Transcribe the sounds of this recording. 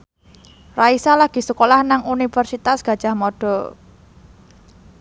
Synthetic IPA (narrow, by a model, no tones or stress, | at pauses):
raisalaɡ̥i̤səkolahnaŋunifərsit̪asɡ̥a̤d̥ʒ̥a̤hmɔɖ̥ɔ̤